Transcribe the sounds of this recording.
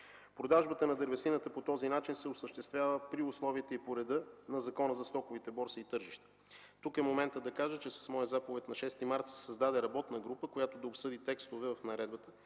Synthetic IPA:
pɾod̪aʒbət̪ənɐd̪əɾvɛsinət̪əpot̪ɔzinat͡ʃinsɛosəʃt̪ɛst̪vʲjavəpɾiʊslˠɔviːt̪əipoɾɛd̪ɤnɐzɐkɔnəzɐst̪ɔkovit̪ɛbɔɾsiit̪ɤɾʒiʃt̪ə̥ | t̪ukɛmomɛnt̪əd̪ɐkaʒət͡ʃɛsɐ̥smɔjəzapovɛt̪nɐʃɛst̪imaɾt̪sɛ̥sɐzd̪ad̪ɛɾɐbɔt̪nəɡɾupəkojat̪od̪ɐopsɤd̪it̪ɛkst̪ovɛvɐfnɐɾɛd̪bət̪ə

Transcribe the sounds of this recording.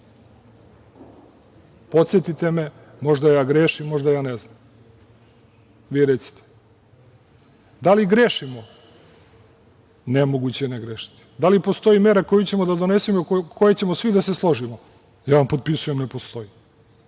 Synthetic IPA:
po̞t̪sʲjet̪it̪eme̞ | mo̞ʒd̪ajaːɡɾeːʃimːo̞ʒd̪ajaːneznam | ʋiːɾet̪si̥t̪e̥ | d̪aliɡɾeːʃimo | nemoɡut͡ɕeneɡɾeʃi̥t̪i̥d̪alipo̞st̪o̞jimeɾako̞jut͡ɕe̞mod̪ad̪o̞nesimokʰojet͡ɕe̞mosʋid̪aseslˠoʒimo | jaːʋampot̪̚pisuje̞mnepo̞st̪o̞ji

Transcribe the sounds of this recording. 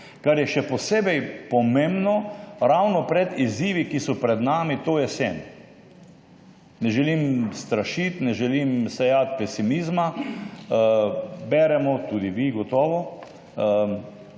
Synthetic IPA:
kaɾjɛʃɛpɔseːbɛjpɔmẽmbnɔɾawnɔpɾɛt̪iziːʋikisɔpɾɛd̪naːmit̪oːjɛsem | nɛʒɛlimst̪ɾaʃit̪nɛʒɛlimsɛjat̪̚pɛsimizma | bɛːɾɛmɔt̪uːd̪iʋiɡɔt̪ɔːʋɔ

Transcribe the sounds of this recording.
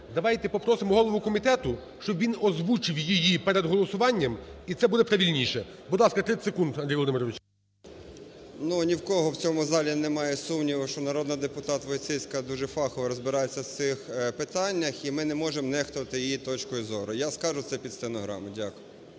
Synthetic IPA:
d̪ɐʋɑjt̪ɛpɔpɾɔsɪmɔɦɔlˠɔʋʊkɔmʲit̪ɛt̪ʊ | ʃt͡ʃɔbʋʲinɔzʋut͡ʃɪwjijipeɾed̪ɦɔlˠɔsʊʋɑnʲːɐmit̪sɛbud̪ɛpɾɐʋʲilʲnʲiʃɛ | bɔd̪lˠɑskɐt̪ɾɪsekund̪ɐnd̪ɾʲijʋɔlˠɔd̪mɪɾɔʋɪt͡ʃ | nunʲiwkɔɦɔwt͡sʲɔmʊzɑlʲinɛmɑjɛsumnʲiʋɔʃt͡ʃɔnɐɾɔd̪nɪjd̪epʊt̪ɑt̪ʋɔjsɪsʲkɐd̪uʒɛfɑxɔʋɔɾɔzbɪɾɑjet͡sʲːɐwt̪sɪxpɪt̪ɑnʲːɐximɪnɛmɔʒemnɛxt̪ɔʋɐt̪ɪjijit̪ɔt͡ʃkɔjʊzɔɾʊjaskɑʒʊt̪sɛpʲid̪st̪enɔɦɾɑ̰mʊdʲakʊ

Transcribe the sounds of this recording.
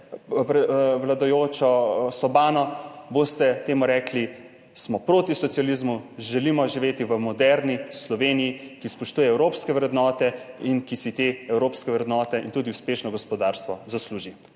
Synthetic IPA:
pɾɛʋlad̪ajoːt͡ʃɔsɔbaːnɔboːst̪ɛt̪eːmuɾɛːkli | smɔpɾoːt̪isɔt̪sijalizmuʒɛlimɔʒiʋeːt̪iʋəmɔd̪ɛɾnislɔʋeːnijikispɔʃt̪uːjɛɛwɾoːpskɛʋɾɛd̪nɔːt̪ɛinkisit̪eːɛwɾoːpskɛʋɾɛd̪nɔːt̪ɛḭnt̪uːd̪iuspeːʃnɔɡɔspɔd̪aːɾst̪ʋɔzasluːʒi

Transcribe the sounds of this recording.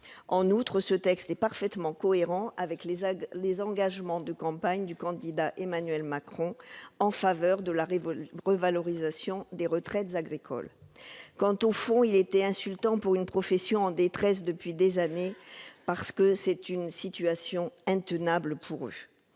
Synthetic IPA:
ɑ̃nut̪χəsət̪ɛkst̪ɛpaʁfɛt̪mɑ̃kɔeʁɑ̃ʔavɛklelezɑ̃ɡaʒmɑ̃d̪əkɑ̃paɲd̪ykɑ̃d̪id̪aʔemanɥɛlmakχɔ̃ɑ̃favœʁd̪əlaʁʁəvalɔʁizasjɔ̃d̪eʁət̪χɛt̪zaɡʁikʰɔ̰lkɑ̃t̪ofɔ̃ilet̪ɛɛ̃sylt̪ɑ̃puʁynpχɔfɛsjɔ̃ɑ̃d̪et̪χɛs̬d̪əpɥid̪ezanepaʁsə̥kəsɛt̪ynsit̪yasjɔ̃ɛ̃t̪ənabləpʰuʁø̰

